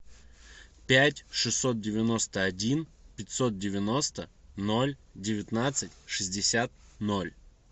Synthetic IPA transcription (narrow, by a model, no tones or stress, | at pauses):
pʲætʲʂɨsʲːo̞t̪̚dʲɪvʲɪno̞st̪əɐdʲinpʲɪtʲso̞t̪̚dʲɪvʲɪno̞st̪əno̞lʲdʲɪvʲɪt̪nat̪sɨtʲʂɨzʲdʲɪsʲat̪̚nolʲ